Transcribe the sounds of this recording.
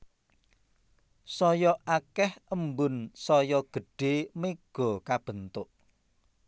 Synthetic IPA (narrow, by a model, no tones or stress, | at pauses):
sɔjɔʔakɛhəmbʊnsɔjɔɡ̥ə̤ɖ̥emeɡ̥ɔ̤kab̥ə̤nt̪ʊʔ